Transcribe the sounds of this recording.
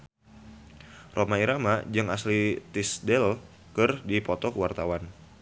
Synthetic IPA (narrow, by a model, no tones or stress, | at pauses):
rʔomaiɾamad͡ʒəŋa̰slit̪isdɛl | kɨrdipɔt̪ɔkəwart̪awan